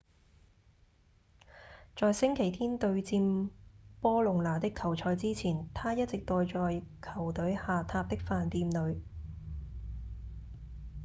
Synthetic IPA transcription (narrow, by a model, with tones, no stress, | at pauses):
t͡sɔː˨jsɪ˥ŋkʰe˨˩jt̪ʰiː˥nt̪ɵ˧ɥt͡siː˧mpɔː˥lʊ˨ŋlaː˨˩t̪ɪ˥kʰːɐ˨˩wt͡ʃʰɔː˧jt͡siː˥t͡sʰiː˨˩nt̪ʰaː˥jɐ˥t̚t͡sɪ˨k̚t̪ɔː˨˧jt͡ʃɔː˨jkʰɐ˨˩wt̪ɵ˨˥ɥhaː˨t̪ʰaː˧p̚t̪ɪ˥k̚faː˨nt̪iː˧mlɵ˨˧˥ɥ